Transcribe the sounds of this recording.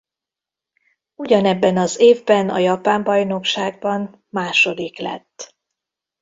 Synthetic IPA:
uɟɒnɛbːɛnɒzeːvbɛnɒ̰jɒpaːmbɒjno̞kʃaːɡ̚bɒn | maːʃo̞d̪iklɛ̰t̪ː

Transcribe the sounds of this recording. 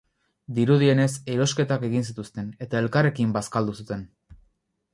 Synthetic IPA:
d̪iɾuðie̞ne̞seɾo̞ske̞t̪ake̞ɣinsit̪ust̪e̞ne̞t̪ae̞lkare̞kimbaskald̪usut̪e̞n

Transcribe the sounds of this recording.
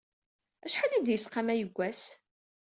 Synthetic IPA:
æʃħalid̪jəsqɑmæjəɡʷːæs

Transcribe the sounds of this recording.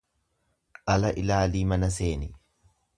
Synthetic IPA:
ʔɐlɐʔɪlaːliːmɐnɐse̞ːnɪ

